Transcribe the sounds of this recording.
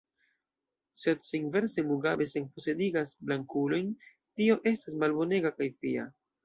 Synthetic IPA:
se̞dsiŋve̞ɾsemuɡabe̞senpo̞se̞diɡasblaŋkulo̞jn | tio̞ʔe̞stasmalbo̞ne̞ɡakajfia

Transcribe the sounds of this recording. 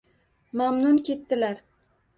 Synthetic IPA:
mamnʊnkʲʰe̞t̪ːɪlaɾ

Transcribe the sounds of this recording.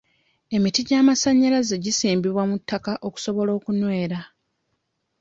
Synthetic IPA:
e̞mitiɟaːmasaɲːalazeɟisiːmbiβwamutːakaʔoku̥so̞βo̞lo̞ːkunwe̞ːɾa

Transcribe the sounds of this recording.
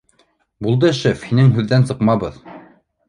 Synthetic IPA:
bulˠd̪ɤʃɘfhinɘŋɦʉðːænsɤ̆qmɑβɤð

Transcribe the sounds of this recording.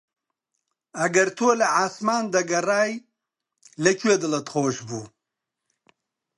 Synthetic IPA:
ɐɡɐɾt̪ʰoːlɐʕaːsmaːnd̪ɐɡɐraːj | lɐkʰɥed̪ɨlɐt̪χoːʃbuː

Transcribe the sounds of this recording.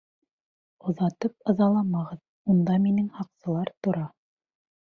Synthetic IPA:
ŏðɑt̪ɤp̚ɤ̆ðɑlˠɑmɑʁɤð | und̪ɑminɘŋhɑqsɤ̆lˠɑɾt̪ŏɾɑ

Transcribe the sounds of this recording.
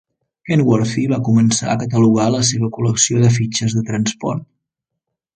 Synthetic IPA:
kenɡwɔɾfiβakumənsa̰əkət̪əluɣaləs̬eβ̞əkuləksioðəf̬it͡ʃəzðət̪ɾənspɔ̰rt̪̚

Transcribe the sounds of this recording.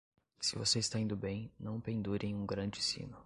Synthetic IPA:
sɪvoseɪst̪aĩnd̪ʊbẽj̃nɐ̃w̃pẽnd̪uɾẽj̃ũɡɾɐ̃d͡ʒɪsḭ̃nʊ

